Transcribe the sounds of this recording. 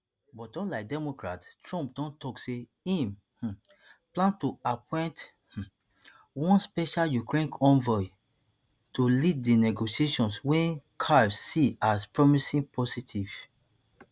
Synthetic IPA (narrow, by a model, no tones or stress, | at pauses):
bɔtɔ̃nlaɪk̚dɛmokɹattɹɔ̃mpdɔ̃ntɔkse | ĩm | h̩ | plãntuapʰɔ̃j̃nt | h̩ | wɔ̃nspɛʃaljukɹẽnkʰɔ̃nvɔi | tuliddinɛɡoʃieʃɔ̃nswɛ̃nkʰasiaspɹɔmisĩŋpʰɔsitʰiv̥